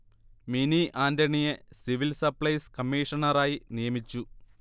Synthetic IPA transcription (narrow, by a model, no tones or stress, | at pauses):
miniʔaːndɐɳijesiʋilsɐpɭɐjskɐmːiːʂɐnɐɾaːjinijɐmit͡ɕːu